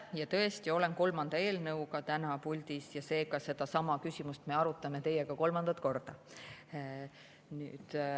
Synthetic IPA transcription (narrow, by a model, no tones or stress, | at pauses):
jɑt̪ɤ̞e̞st̪io̞le̞nko̞lmɑnd̪̥ɑe̞ːlnɤwkɑt̪ænɑpulʲd̪isjɑse̞ːkɑse̞d̪ɑsɑmɑkysʲimust̪me̞ɑɾut̪ːˑɑmet̪e̞jːeɡ̥ɑko̞lmɑnd̪̥ɑt̪ˑko̞rd̪̥ɑ | nyːd̪